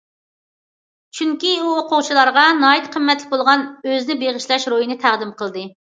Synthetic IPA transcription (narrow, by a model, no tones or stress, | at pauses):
t͡ʃʰyŋkʲiuqʰoʁt͡ʃʰilˠɑɾʁɑnɑːit̪qʰəmːɛt̪lɪk̚ʲbolˠʁɑnøzɪnɪbeʁɪʃlɛʃɾojinɪt̪ʰæʁd̪ɪmqʰəlˠd̪ɨ